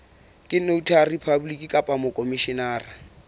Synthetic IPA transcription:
kʼɪn̩noutʰaripʰabulikʼikʼapʼamʊkʼomiʃɪnaːra

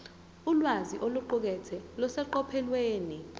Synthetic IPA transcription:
ulwaziʔoluǃuk̬ɛtʰɛlɔsɛǃɔpʰɛlweːni

